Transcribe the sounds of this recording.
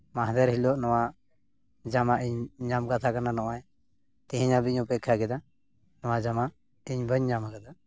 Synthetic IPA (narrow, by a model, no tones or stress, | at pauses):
maɦd̪ɛɾɦilɔʔnɔwa | d͡ʒamaʔiɲɲamkat̪ʰakananɔʔaj | t̪iɦiɲabiɲupɛkʰːaɡɛd̪a | nɔwad͡ʒamaʔ | iɲbəɲɲamakad̪a